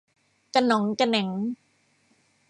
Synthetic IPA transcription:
ka˧nɔ˩˦ŋka˧nɛ˩˦ŋ

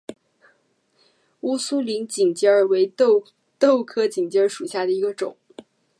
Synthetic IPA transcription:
u˥su˥li˧˥nt͡ɕi˨˩ŋt͡ɕi˥ə˞˨˩we˧˥ɪ˥˩ | t̪o˥˩ʊkʰɤ˥t͡ɕi˨˩ŋt͡ɕi˧˥ə˞˧ʂu˨˩ɕja˥˩d̪ə˩i˧˥ɡə˧ʈ͡ʂʊ̰˨˩˦ŋ

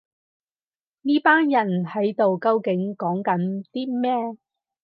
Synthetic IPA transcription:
niː˥paː˥njɐ˨˩nhɐ˨˥jt̪o˨wkɐ˧wkɪ˨˥ŋkɔː˨˥ŋkɐ˨˥nt̪iː˥mɛː˥

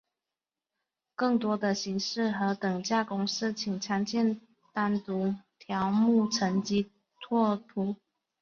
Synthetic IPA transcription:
kɤ˥˩ŋt̪wɔ˥d̪ə˨ɕi˧˥ŋʂɻ̩˥˩xɤ˧˥t̪ɤ˨˩ŋt͡ɕja˥˩kʊ˥ŋʂɻ̩˥˧t͡ɕʰi˨˩ŋʈ͡ʂʰa˧˥ŋt͡ɕʰjɛ˥˧n | t̪a˥nt̪u˧˥t̪ʰjɑ˧˥ʊmu˥˩ʈ͡ʂʰə˧˥ŋt͡ɕi˧˥ | t̪ʰwɔ˥˩t̪ʰu˧˥˦

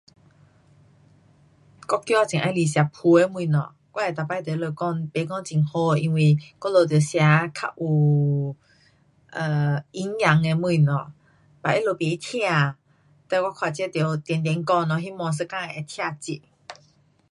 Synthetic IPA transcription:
kɔ˦kːjɔ˦˧˦t͡ɕi˨ʔa˧˦li˨˩ɕja˨˧pʰu˧e˧mwũ˧˨nɔ̰˨ | kwa˦ɛ˨˩t̪a˨˩pa˧˨˧t̪o˨˦lo˧kɔ˧ŋpe˨˦kɔ˥˧ŋt͡ɕi˨˩˨ŋho˧i˧ŋwi˧kɔ˦˥lo˧˩t̪̬jo˨˩˦ɕja˧˦kʰa̰˧ʔu˨˩ | ʔə˨i˧˦ŋja˨˦ŋe˧mwĩ˧˨nɔ̃˨˩ | pa˨ʔi˦lo˧˩pe˨˦i˦t̪ʰja˥˧˨ | t̪a˧˨kwa˦˥kʰwa˨˩t͡ɕɛ˥˦t̪jo˨˦t̪jɛ˨˧˨nt̪jɛ˧˦nkɔ˥˧nɔ̃˨˩ɦi˦mɔ̃˧s̬ə˧kã˧e˨a˧t̪ʰja˧t͡ɕi˧ʔ

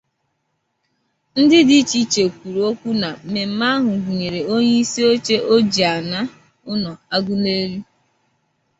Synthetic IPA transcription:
n̩˦dɪ˦di˦t͡ʃi˦t͡ʃe˨kʷu˨ɾu˨o˦kʷu˦na˨me˨m̩˨˦ma˦ɦʊ˨ɡu˨ɲe˨ɾe˨o˦ɲe˦i˦si˦o˦t͡ʃe˦ʔo˦d͡ʒi˨a˨na˦ | ʊ˦nɔ˨a˦ɡʊ˦ne˦ɾi˦

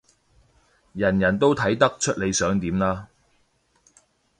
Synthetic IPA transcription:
jɐ˨˩njɐ˨˩nt̪o˥wt̪ʰɐ˨˥jt̪ɐ˥k̚t͡ʃʰɵ˥t̚le˨˧jsœː˨˥ŋt̪iː˨˥mlaː˧

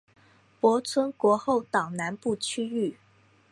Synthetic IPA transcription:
pwɔ˧˥t͡sʰwə˥nkwɔ˧˥xo˥˩ʊt̪ɑ˨˩ŋna˧˥npu˥˩t͡ɕʰy˥y˥˩

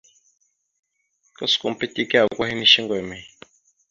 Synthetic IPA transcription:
ka˦sku˨m̩˨pe˦ti˦ka˨kʷa˦hi˦ni˦ʃi˦ŋɡmẽ˨

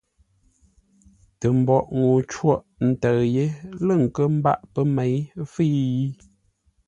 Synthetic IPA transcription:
tə˨m̩˨bɔ˨ʔŋo˨t͡ʃwɔ˦˨ʔn̩˨tə˨je˦lə˦˨ŋ̩˨kə˦m̩˦ba̰˦ʔpə˦me˨˦jfi˦ji˦

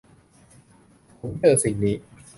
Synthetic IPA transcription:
pʰo˨˩˦mt͡ɕɤː˧˩si˨˩ŋniː˦˥

